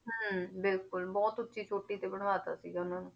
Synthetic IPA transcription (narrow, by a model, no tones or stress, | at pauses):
ɦəːbɪlkʊlbɔːt̪ʊtːʃʰit͡ʃoːʈːit̪ebəɽ̃ʋaːt̪a̰siɡʊnaːnu